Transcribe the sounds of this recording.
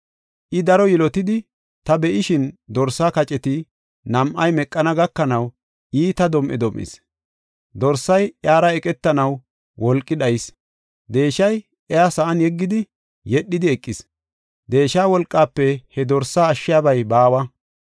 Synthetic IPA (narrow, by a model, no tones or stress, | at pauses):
ʔɪd̪ɐɾɔjɛlɔt̪ɪd̪ɪ | t̪ɐbɛʔɪʃɪnd̪ɔɾsːaːkɐt͡ʃʼɛt̪ɪ | nɐmʔɐjmɛkʼːɐnɐɡɐkːɐnɐw | iːt̪ɐd̪ɔmʔɛ̰d̪ɔmʔɪ̰s | d̪ɔɾsɐjjaːɾɐɛkʼɛt̪ːɐnɐw | wɔlkʼːɪdɐjɪs | d̪e̞ːʃɐj | ɛasɐʔɐnjɛɡːɪd̪ɪ | jɛɗːɪd̪ɪɛkʼːɪs | d̪e̞ːʃaːwɔlkʼːaːpːɛhɛd̪ɔɾsːaːʃːɪjaːbɐjbaːwɐ